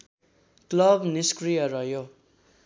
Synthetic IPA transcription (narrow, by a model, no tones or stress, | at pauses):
klʌbniskrijʌɾʌɦjo